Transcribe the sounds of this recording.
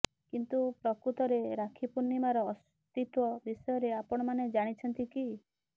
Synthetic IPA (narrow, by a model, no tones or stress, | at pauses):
kint̪upɾɔkɾut̪ɔɾeɾakʰipunːimaɾɔːs | t̪it̪wɔbisɔjɔɾeapɔɽ̃ɔmaned͡ʒaɽ̃it͡ʃʰɔnt̪iki